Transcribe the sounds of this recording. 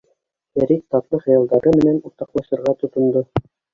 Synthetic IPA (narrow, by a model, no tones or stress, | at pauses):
æɾik̚t̪ɑt̪lˠɤχɤ̆jɑlˠd̪ɑɾɤmɘ̆nænuɾt̪ɑqlˠɑʃɤ̆ɾʁɑt̪ŏt̪ŏnd̪ɤ